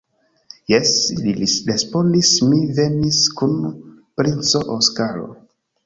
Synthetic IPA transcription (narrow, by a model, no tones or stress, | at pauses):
jɛslilisɾespondismiveniskun | pɾint͡soʔoskaɾo̰